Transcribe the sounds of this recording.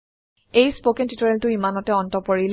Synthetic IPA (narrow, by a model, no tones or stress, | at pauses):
ejspokɛntitɔɹɛltʊimanɔtɛɔntɔpɔɹil